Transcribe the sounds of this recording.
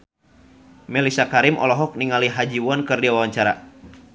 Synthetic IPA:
mɛlisakaɾimʔɔ̰lɔɦɔk̚niŋaliɦad͡ʒiwɔnkɨrdiwawaɲt͡ʃaɾa

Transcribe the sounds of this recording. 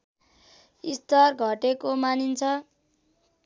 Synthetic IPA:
ist̪ʌrɡʱʌʈekomanint͡sʰʌ

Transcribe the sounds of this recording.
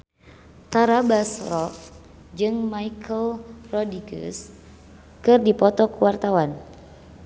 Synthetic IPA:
t̪aɾabasrɔʔ | d͡ʒɨŋmaikʰəlrɔdiɡə̰s | kɨrdipɔt̪ɔkuwart̪awan

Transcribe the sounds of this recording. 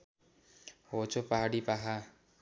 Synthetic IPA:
ot͡ʃopaɦaɽipaɦa

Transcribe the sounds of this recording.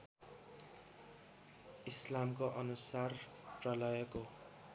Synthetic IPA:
islamkoʔʌnusar | prʌlʌjʌko

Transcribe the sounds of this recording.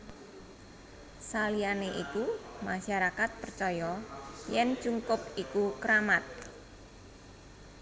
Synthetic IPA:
salianeʔikumaʃaɾakat̪̚pərt͡ʃɔjɔjɛn̥t͡ʃuŋkʊpikukəɾamat̪̚

